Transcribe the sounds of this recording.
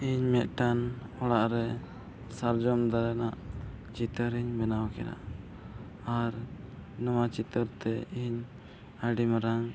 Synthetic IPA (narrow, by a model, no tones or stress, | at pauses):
iɲmɛt̪̚ʈanɔɽaʔɾɛ | saɾd͡ʒɔmd̪aɾɛnaʔ | t͡ʃit̪əɾiɲbɛnawkɛda̰ | aɾnɔwat͡ʃit̪əɾt̪ɛiɲ | əɖimɾaŋ